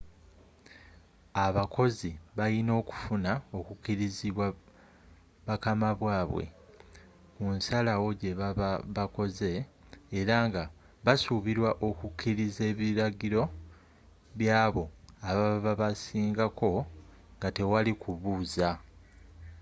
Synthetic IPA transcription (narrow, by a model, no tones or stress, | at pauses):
aβakʰo̞ziβajino̞ːku̥funao̞kukːiɾiziβwa | βakamaβwaːβwḛ | kunsalawo̞ɟe̞ββako̞ze̞ːɾaŋɡa | βasuβiɾwaʔo̞kukʰːiɾize̞ːβiɾaɡiɾo̞ | βjaːβo̞aβaβaβasiːŋɡakʰo̞ | ŋɡate̞walikuβuːza